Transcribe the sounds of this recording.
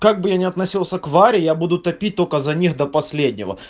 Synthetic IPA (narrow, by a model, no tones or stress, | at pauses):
kaɡ̚bɨjanʲɪɐt̪nɐsʲilˠsʲəkvaɾʲɪjabud̪ʊt̪ɐpʲit̚ʲt̪o̞lʲkəzɐnʲixd̪ɐpɐsʲlʲedʲnʲɪ̰və̰